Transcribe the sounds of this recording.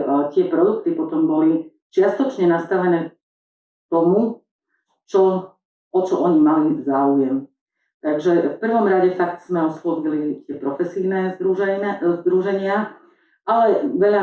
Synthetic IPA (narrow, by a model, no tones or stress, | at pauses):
t̪ɪɛpɾɔd̪ukt̪ipɔt̪ɔmbɔli | t͡ʃɪast̪ɔt͡ʃɲɛnast̪aʋɛnɛː | t̪ɔmu | t͡ʃɔ | ɔt͡ʃɔʔɔɲimalizaːujɛm | t̪aɡʒɛfpr̩ʋɔmɾaɟɛfak̚t̪z̥mɛɔslɔʋilit̪ɪɛpɾɔfɛsiːnɛuzd̪ɾuʒɛɲɪa | alɛʋɛʎa